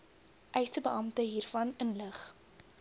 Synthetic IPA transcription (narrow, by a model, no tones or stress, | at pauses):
ʔɛjsəbəʔɐmtəɦiːrfɐnənləχ